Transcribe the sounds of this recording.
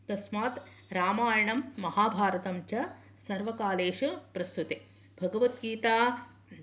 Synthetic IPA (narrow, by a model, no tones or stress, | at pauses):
t̪ɐsmaːt̪ɾaːmaːjɐɳɐmːɐɦaːbʱaːɾɐt̪ɐmt͡ʃɐ | sɐɾʋɐkaːleːʂupɾɐst̪ut̪ebʱɐɡɐʋɐt̪ɡiːt̪aː